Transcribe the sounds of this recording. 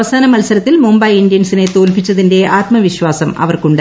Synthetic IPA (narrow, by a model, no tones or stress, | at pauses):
ʋɐsaːnɐmɐlsɐɾɐt̪ːilmumbɐjindijɐnsinet̪oːlpit͡ɕːɐðinde̞aːt̪mɐʋiɕʋaːsɐmɐ̰ʋɐrkuɳɖɨ